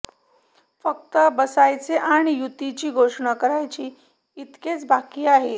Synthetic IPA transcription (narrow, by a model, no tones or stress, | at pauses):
fək̚t̪əbəsajt͡seʔaɽ̃ijut̪it͡ɕiːɡʱoʂɳakəɾajt͡ɕiː | t̪ket͡sbakiːaɦe